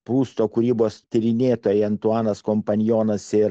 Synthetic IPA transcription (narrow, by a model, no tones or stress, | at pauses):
pɾuːst̪oːkʊɾʲiːboːst̪ʲɪɾʲɪnʲeːt̪oːjɛɐnt̪uɑːnɐskɔmpɐnʲjoːnɐsɪɾ